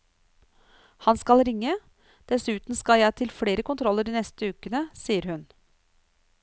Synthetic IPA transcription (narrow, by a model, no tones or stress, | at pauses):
hɑnskɑlɾɪŋːə | d̪̥ɛsʉːt̪n̩skɑljæɪt̪ʰɪlfɽeːɾəkʊnt̪ʰɾɔlːəɖiːnɛst̪əʉːkənəsiːəɾhʉn